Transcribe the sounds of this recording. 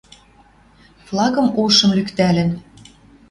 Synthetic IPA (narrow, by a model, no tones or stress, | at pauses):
flˠɑɣɤ̆moʃɤ̆mlykt̪ælɘ̆n